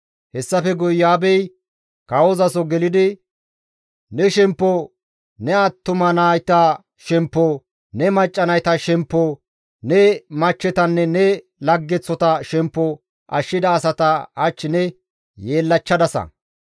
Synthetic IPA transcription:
hɛsːɐfɛɡʊjːaːbɛj | kɐwɔzɐsɔɡɛlɪd̪ɪ | nɛʃɛmpːɔ | nɛɐt̪ːʊmɐnaːjt̪ɐ | ʃɛmpːɔ | nɛmɐt͡ʃʼːɐnɐjt̪ɐʃɛmpːɔ | nɛmɐt͡ʃːɛt̪ɐnːɛnɛ | lɐɡːɛt͡sːɔt̪ɐʃɛmpːɔ | ʔɐʃːɪd̪ɐːsɐt̪ɐɐt͡ʃːɪnɛ | jeːlːɐt͡ʃːɐd̪ɐsɐ̰

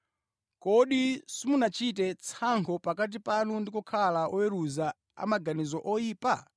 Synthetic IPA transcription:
kɔɗisimunat͡ʃit̬ɛt͡sʰaŋkʰɔpakat̬ipanundikɔkʰalaʔɔwɛɾuza | a̰maɡanizɔʔɔjiːpa

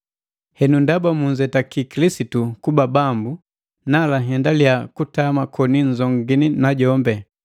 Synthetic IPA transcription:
hɛnundabamuɲd͡ʒɛtakikilisitukubabambu | nalaɦɛndaliakutamakʰɔniɲd͡ʒɔŋɡininaɟɔmbɛ

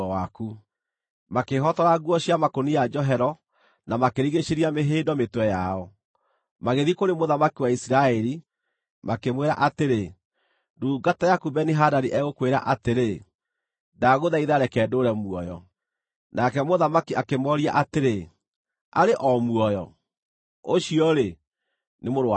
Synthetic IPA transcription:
aku | makeɦɔtɔɾaɣwɔɕiamakonijad͡ʒɔɦɛɾɔ | namakeɾiɣeʃeɾiameɦeːdɔmetwɛjaɔ | maɣeðikoɾemoðamakiwaisiɾaɛɾi | makemweɾa̰ʔateɾe | duːɡatajakubɛniɦadaɾiʔɛɣokweɾa̰ʔateɾe | daɣoðaiðaɾɛkɛdoɾɛmuɔjɔ̰ | nʔakɛmoðamakiakemɔɾia̰ʔateɾe | a̰ɾeʔɔmuɔjɔ | oɕiɔɾe | nemoɾa

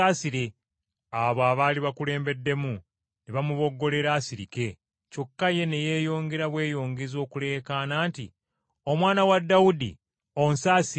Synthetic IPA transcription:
aːsiɾe̞ | aβoaβaːliβakule̞ːmbe̞dːe̞mu | neβamuβo̞ɡːo̞le̞ɾaːsiɾike̞ | co̞kːaje̞ne̞je̞ːjo̞ːŋɡe̞ɾaβwe̞ːjo̞ːŋɡezo̞ːkule̞ːkaːnaːnti | o̞mwaːnawadːawudḭ | o̞nsaːsi

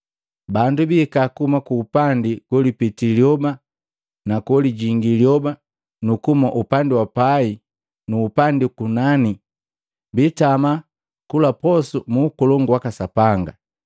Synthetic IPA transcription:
bandubiːkakumakuːpandiɡ̥wɔlipitiljɔba | nakɔliɟiŋɡiljɔba | nukumaʔupandiwapai | nuːpandikunani | bitama | kulapɔsumuːkɔlɔŋɡwakasapaŋɡa̰

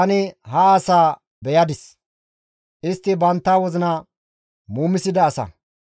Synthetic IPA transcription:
ɐnɪɦɐːsaː | bɛjɐd̪ɪs | ʔɪst̪ːɪbɐnt̪ːaːwɔzɪnɐ | muːmɪsɪd̪ɐːsɐ̰

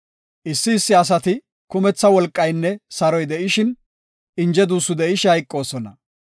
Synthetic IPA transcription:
ʔɪsːɪːsːɪɐs̬ɐt̪ɪ | kʊmɛt͡sːɐwɔlkʼːɐjnːɛsɐɾɔjd̪ɛʔɪʃɪn | ɪnd͡ʒɛd̪uːsːʊd̪ɛɪʃhɐjkʼːo̞ːsɔnɐ̰

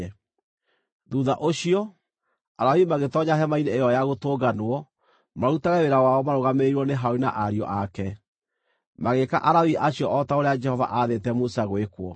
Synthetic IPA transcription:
ɛ | ðuðaʔoɕiɔ | aɾawimaɣetɔɲaɦɛmaineːjɔjaɣotoːɡanwɔ | maɾutaɣɛweɾawaɔmaɾoɣameɾwɔneɦaoinaʔaɾiɔ̰ʔakɛ | maɣeka̰ʔaɾawiʔaɕiɔʔɔtaoɾead͡ʒɛhɔva̰ʔaðetɛmusaɣwekwɔ

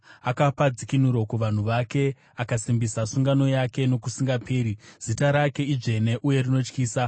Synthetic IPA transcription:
akapad͡zikin̤uɾo̞kuʋan̤uʋake̞ | akasimbisasuŋɡano̞jake̞no̞kusiŋɡapʰeːɾiz̥itaɾake̞iʐe̞ne̞ʔuje̞rino̞t͡ʃkiːsa

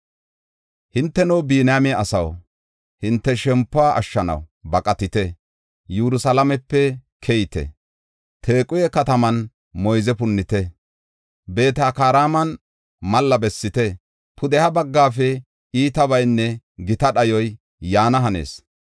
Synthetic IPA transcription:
hɪnt̪ːɛnɔwbiːnjamɪɐsɐw | hɪnt̪ːɛʃɛmpːʊaʔɐ̰ʃːɐnɐ̰wbɐkʼɐt̪ɪt̪ɛ | juɾʊsɐlɐmɛpːɛkʰɛjt̪ɛ̰ | t̪ʰe̞ːkʼʊjɛkɐt̪ɐmɐn | mɔjzɛpʊnːɪt̪ɛ | be̞ːt̪aːkaːɾaːmɐn | mɐlːɐbɛsːɪt̪ɛ | pʰʊd̪ɛhɐbɐɡːaːfɛ | iːt̪ɐβɐjnːɛ | ɡɪt̪ɐɗɐjɔj | jaːnɐɦɐnḛːs

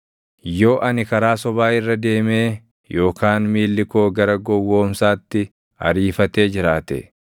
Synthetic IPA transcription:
jo̞ːʔɐnɪkɐɾaːsɔbaːɪrːɐd̪e̞ːme̞ː | jo̞ːkʰaːnmiːlːɪko̞ːɡɐɾɐɡɔwːo̞ːmsaːt̪ːɪ | ɐ̰ɾiːfɐt̪e̞ːd͡ʒɪɾaːt̪ɛ̰

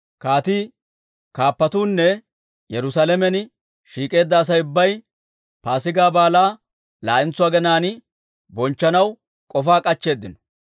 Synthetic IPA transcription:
kaːt̪i | kaːpːɐt̪uːnːɛ | jɛɾʊsalɛmɛn | ʃiːkʼe̞ːd̪ːɐːs̬ɐjʊbːɐj | paːsɪɡaːbaːlaː | la̰ːʔɪnt͡sːʊwaːɡɛnaːn | bɔnt͡ʃːɐnɐw | kʼɔfaːkʼɐt͡ʃːe̞ːd̪ːɪnɔ̥

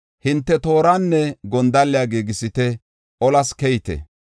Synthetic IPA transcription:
hɪnt̪ːɛt̪o̞ːɾaːnːɛɡɔnd̪ɐlːɪjaːɡeːɡɪsɪt̪ɛ | ɔlɐskɛjt̪ɛ̰

